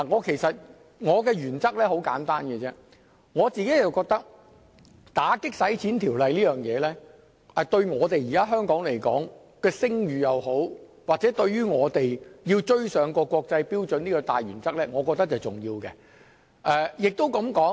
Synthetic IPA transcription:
laː˨˩ŋɔː˨˧kʰe˨˩jsɐ˨t̚ | ŋɔː˨˧kɛː˧ɥyː˨˩nt͡sɐ˥k̚lɛː˥ho˨˥wka̰ː˨˥nt̪aː˥nkɛ˧t͡sɛː˥ | ŋɔː˨˧t͡siː˨ke˨˥jɐ˨wkɔː˧k̚t̪ɐ˥k̚ | t̪aː˨˥kɪ˥k̚sɐ˨˥jt͡sʰiː˨˥nt̪ʰiː˨˩wlɐ˨jliː˥jœː˨ŋjɛː˨˧lɛː˥ | ɛ˨˩t̪ɵ˧ɥŋɔː˨˧t̪e˨jiː˨kaː˥ɦœː˥ŋkɔː˨˥ŋle˨˩jkɔ̰ː˨˥ŋ | kɛː˧sɪ˥ŋjyː˨jɐ˨who˨˥wwa˨k̚t͡sɛː˨˥t̪ɵ˧ɥyː˥ŋɔː˨˧t̪e˨jjiː˧wt͡ʃɵ˧˥ɥsœː˨˧ŋkɔː˧kɔː˧k̚t͡sɐ˧jpiː˥wt͡ʃɵ˨˥niː˥kɔː˧t̪a̰ː˨jɥyː˨˩nt͡sɐ˥k̚lɛː˥ŋɔː˨˧kɔː˧t̪ɐ˥k̚t͡sɐ˨˩jt͡sʊ̰˨˩ŋjiː˧wkɛ˧ | ʔɛː˧jɪ˨k̚t̪o˥wkɐ˨˥mkɔː˨˥ŋ

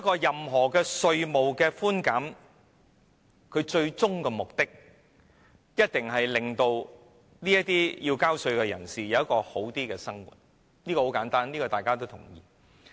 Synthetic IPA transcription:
ɐ˥kːɔː˧jɐ˨mɦɔː˨˩kɛː˧sɵ˧ɥmo˨wkɛː˧fuː˥nkaː˨˥m | kʰɵ˨˧ɥt͡ʃɵ˧ɥt͡sʊ˥ŋkɛː˧mʊ˨k̚t̪ɪ˥k̚ | jɐ˥t̚t̪ɪ˨ŋɦɐ˨jlɪ˨˩ŋt̪o˧w | liː˥jɐ˥t̚t̪iː˥jiː˧wkaː˥wsɵ˧ɥkɛː˧jɐ̰˨˩nsiː˨jɐ˨˧wjɐ˥kɔː˧ho˨˥wt̪iː˥kɛː˧sɐ˥ŋwṵ˨˩t̚ | niː˥kɔ˧ho˨˥wkaː˨˥nt̪aː˥nliː˥kɔː˧t̪aː˨jkaː˥t̪o˥wt̪ʰʊ̰˨˩ŋjḭː˨˩

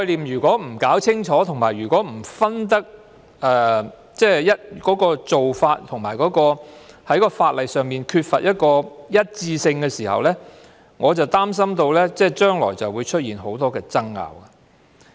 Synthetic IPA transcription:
kɔ˧jliː˨˩mjyː˨˩kʷɔː˨˥m̩˨˩kaː˨˥wt͡sʰɪ˥ŋt͡ʃʰɔː˨˥t̪ʰʊ˨ŋmaː˨˩jɥyː˨˩kwɔː˨˥m̩˨˩fɐ˥nt̪ɐ˥k̚ | ʔɛː˨ | t͡sɛː˥˩jɐ˥t̚kɔː˨˥kɔː˧t͡so˨wfaː˧t̚t̪ʰʊ˨˩ŋmaː˨˩jkɔː˨˥kɔː˧hɐ˨˥jkɔː˧faː˧t̚lɐ˨jsœː˨ŋmiː˨nkʰyː˧t̚fɐ̰˨t̚jɐ˥t̚kɔː˧jɐ˥t̚t͡siː˧sɪ˧ŋkɛː˧siː˨˩hɐ̰˨wlɛː˥ | ŋɔː˨˧t͡sɐ˨wt̪aː˥ms̬ɐ˥mt̪o˧wlɛː˥t͡sɛː˥˩t͡ʃœː˥ŋlɔ̰ː˨˩jt͡sɐ˨wu˨˧jt͡ʃʰɵ˥t̚jiː˨nho˨˥wt̪ɔː˥kɛː˧t͡sɐ˥ŋːa̰ː˨wa˧

